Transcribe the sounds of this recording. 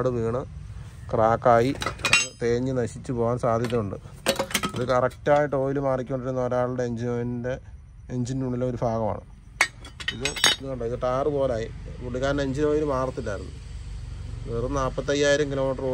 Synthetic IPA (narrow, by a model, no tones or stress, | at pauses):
ɽɨʋiːɳɨ | kraːkːaːjiɐðɨt̪e̞ːɲːɨnɐɕit͡ɕːɨpo̞ːʋaːnsaːd̪ʱjɐðɐmuɳɖɨ̰ | ɐðɨkɐrɐktaːjɐʈo̞ːjilumaːrikʲːuoɳɖiɾunːɐoɾaːɭɨɽeeɲd͡ʑinoːninde̞ | eɲd͡ʑinuːɳːilːamo̞ɾubʱaːɣɐma̰ːɳɨ̰ | iðɨinːɨɐɳɖoiðɨʈaːrɨpo̞ːlaːjiʋuɽiɣaːɾneɲd͡ʑinoːjiɾumaːrɐt̪ːilːaːjiɾunːṵ | neːrnaːpːɐt̪ːɐjːaːjiɾɐŋkilo̞ːmiʈroː